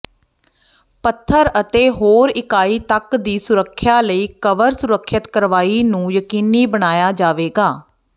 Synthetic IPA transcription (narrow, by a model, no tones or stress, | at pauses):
pət̪ʰːəɾət̪eːɦoːɾɪkaːiːt̪əkd̪iːsʊɾəkʰːjaːləiːkəʋəɾsʊɾəkʰːət̪kəɾʋaːiːnũːjəkiːniːbəɽ̃aːjaːd͡ʒaːʋeːɡaː